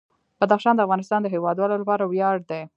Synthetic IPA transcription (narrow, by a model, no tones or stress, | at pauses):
b̥ad̪axʃɑnd̪əafɣɑnɪst̪ɑnd̪əɦewɑd̪wɑlolapɑɾawjɑɖ̚d̪e